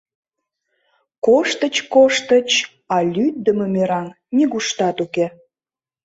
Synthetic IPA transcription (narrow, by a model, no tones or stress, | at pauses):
koʃt̪ət͡ɕkoʃt̪ət͡ɕ | ɑlʲyt̪̚d̪əməmeɾɑn | nʲeɣuʃt̪ɑt̪uke